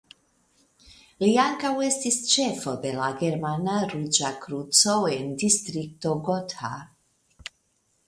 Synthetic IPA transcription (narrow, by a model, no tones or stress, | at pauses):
liaŋkawe̞stist͡ʃe̞fo̞d̪e̞laɡeɾmanaɾud͡ʒakɾut͡so̞end̪ist̪ɾik̚t̪o̞ɡot̪a̰